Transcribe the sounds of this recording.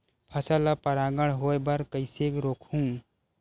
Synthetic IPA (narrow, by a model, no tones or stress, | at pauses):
pʰɐsələpɐɾaːɡəɽ̃ɦoːebɐɾkəɪseːkɾoːkʰɦũː